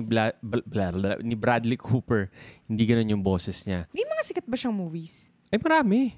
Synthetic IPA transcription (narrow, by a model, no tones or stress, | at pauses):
blblaɾɐnɪbɾad̪lɪkhuːpɛɹhɪnd̪iːɡɐno̞njʊŋbo̞ːsɛsɲaɐjʊŋmɐŋasɪkɐt̪̚bɐʃɐŋmuːvis | ʔɐjmɐɾaːmɛ